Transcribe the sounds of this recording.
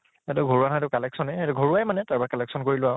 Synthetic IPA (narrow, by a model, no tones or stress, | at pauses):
atʊɡʱoɹuwanatʊkalɛksɔnɛɛtʊɡʱoɹuajmanɛtaɹbakɛlɛksɔnkoɹilʊa